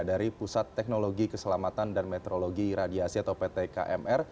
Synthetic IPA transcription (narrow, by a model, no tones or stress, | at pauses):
daɾipusat̪ːɛk̚noloɡikəsəlamat̪andanmɛt̪ɾoloɡiɾadiasiat̪awpet̪eka̰ʔɛmʔɛr